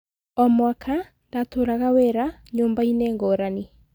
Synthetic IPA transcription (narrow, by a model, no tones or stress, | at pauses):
ɔmwakʰa | ndatoɾaɣaweɾa | ɲoːmbainɛːŋɡɔːɾani